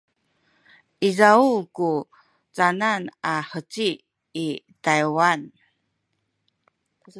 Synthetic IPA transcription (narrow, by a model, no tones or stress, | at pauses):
ʔizaulku | t͡sananaħət͡siː | tajwan